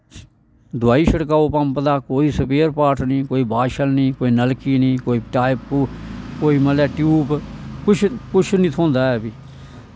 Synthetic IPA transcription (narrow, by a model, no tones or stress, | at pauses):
d̪ʊaːiːʃəɽk̬aːoːpəmpd̪aːkoːiːsəpeːɾpaːʈʰnĩːkoːiːbaːʃəlnĩːkoːiːnəlkiːnĩːkoːiːʈaːɪp̚kuːkoːiːməlɛːʈjuːpkʊt͡ʃʰkʊt͡ʃʰnĩːt̪ʰõːnd̪aːɛːbiː